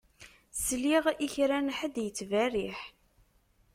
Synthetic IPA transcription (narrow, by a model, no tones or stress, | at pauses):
sliʁiçɾænħəd̪jət͡sːværiħ